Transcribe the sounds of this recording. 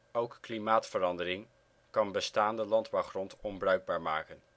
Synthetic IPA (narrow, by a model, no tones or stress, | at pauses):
owkklimaːtfəɾɑndərɪŋ | kɑnbəstaːndəlɑndbɑwχrɔntɔmbrœɥɡ̚baːɹmaːkən